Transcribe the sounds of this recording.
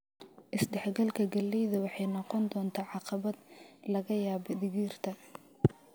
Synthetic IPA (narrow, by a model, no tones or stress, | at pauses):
ʔɪsɖɛħɡɐlkʰɐɡɐlːɛjðɐwɑħɑjnɔqɔnd̪ɔːnt̪ʰaːʕɑqɑβɐd̪lɐɣɐjaːβɔd̪ɪɣiːrt̪ʰɐ